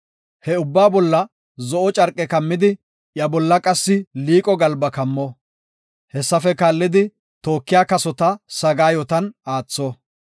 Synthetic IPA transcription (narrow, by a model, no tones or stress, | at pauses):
hɛʊbːaːbɔlːɐ | zɔʔɔt͡ʃʼɐɾkʼɛkɐmːɪd̪ɪ | jɐbɔlːɐkʼɐsːɪliːkʼɔɡɐlbɐkɐmːɔ | hɛsːɐfɛkaːlːɪd̪ɪ | t̪oːkːɪjaːkɐsɔt̪ɐsɐɡaːjɔt̪ɐnaːt͡sːɔ